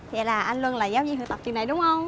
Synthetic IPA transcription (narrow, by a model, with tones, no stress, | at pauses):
kɛ̰˧˩laː˨˩ʔa˧jnlu˧ənlaː˨˩jaː˨˦wzḭ˧nhɨ˨˧˩t̪a˨˩p̚t̪i˨˩əna˨˩ɗʊ˨˦ŋ͡mhə˧wŋ͡m